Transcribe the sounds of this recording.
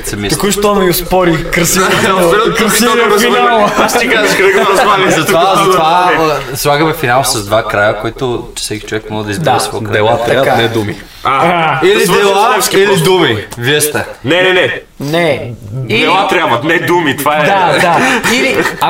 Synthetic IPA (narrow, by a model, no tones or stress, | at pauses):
t̪sɛmit̪kuʃt̪ɔmiʊspɔɾikɾɐsintooɛɾkɾɐsiɾɐzfimalˠaʃt̪ikazɐʃkɐɛɡzazɐt̪vazɐvaslˠaɣəmɛfinalˠsɐzd̪vakɾajəkoit̪ʊt͡ʃɛ̥sɛkʲi̥t͡ʃovɛkmɔʒəd̪ɐizd̪aɛsvɔkɾaɛlˠat̪ːɾaanɛd̪umi | ailid̪ɛlˠailid̪umivjɛst̪ɐnɛnɛnɛ | nɛdiɛlˠat̪ɾʲabvɐt̪nɛd̪umit̪vaɛd̪ad̪aili